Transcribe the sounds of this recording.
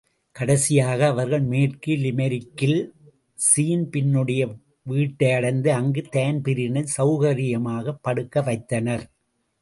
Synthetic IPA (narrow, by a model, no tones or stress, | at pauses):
kɐɽɐsɪjaːɣɐːʋɐɾɣɐɭmeːʈkɯlɪmɐɾɪkːɪl | siːnpɪnːɯɽɐjɐ | ʋiːʈːɐɪɐɽɐnd̪ɯɐŋɡɯt̪eːnpɪɾɪnɐsɐʊɣɐɾɪjɐmaːɣɐpːɐɽɯkːɐʋɐɪt̪ːɐnɐɾ